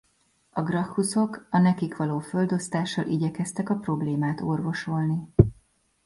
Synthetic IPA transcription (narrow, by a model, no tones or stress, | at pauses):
ɒɡrɒxːuso̞kɒnɛkikʋɒloːfø̞ld̪o̞st̪aːʃːɒlʔiɟɛkɛst̪ɛkɒpro̞bleːmaːt̪orvo̞ʃo̞lni